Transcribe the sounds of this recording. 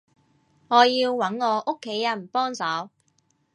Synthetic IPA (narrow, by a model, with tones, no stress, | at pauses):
ŋɔː˨˧jiː˧wːɐ˨˥nŋɔː˨˧ʔʊ˥kʰːe˨˥jːɐ˨˩npɔː˥ŋsɐ˨˥w